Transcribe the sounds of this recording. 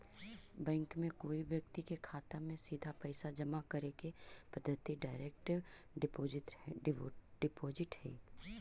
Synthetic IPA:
bɛ̃ːŋkmẽkoːiʋjəkt̪ikekʰaːt̪amẽsiːd̪ʱapɛɪsad͡ʒɐmakɐɾekepɐd̪ʱːət̪iɖaːɪɾeːkʈɪʋ | ɖɪpoːzɪʈhɛ̰ː

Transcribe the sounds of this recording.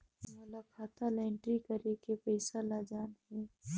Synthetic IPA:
mɐləbkʰaːt̪ʰalɛːɳʈɾikɐɾekepɛɪsalad͡ʒaːnɦɛː

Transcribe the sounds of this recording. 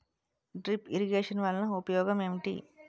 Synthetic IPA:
ɖɾipʰiɾiɡeːʂɐnʋaːlnɐupɐjɔːɡɐmeːmiʈḭ

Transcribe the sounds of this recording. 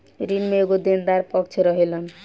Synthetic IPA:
ɾinmeeɡod̪end̪aɾpɔkt͡ʃʰɾɔɦelɔn

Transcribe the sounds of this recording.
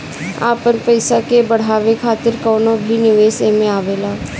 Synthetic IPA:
a̰ːpəɾpəɪsakebɐɽ̤aːʋekʰaːt̪ɪɾkɔːnobʱinɪʋeːsemẽaːʋeːlaː

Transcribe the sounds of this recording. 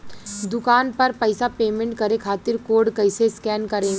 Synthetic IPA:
d̪ʊkaːnpɐɾpɐɪsapeːmẽɳʈ̚kɐɾekʰaːt̪ɪɾkoːɾɖkɐɪseskɛːnkɐɾẽːɡ

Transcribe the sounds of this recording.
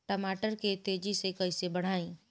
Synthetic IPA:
ʈəmaːʈəɾket̪eːd͡ʒisekɐisebɐɽ̤aːĩː

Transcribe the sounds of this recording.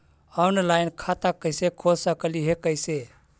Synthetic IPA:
ɔwnlaɪnkʰat̪akəɪsekʰosəkəliɦekəɪse

